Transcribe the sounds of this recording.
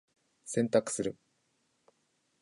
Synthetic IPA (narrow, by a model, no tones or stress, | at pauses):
sẽ̞nt̪akɯ̟̥sɨɾɯ̟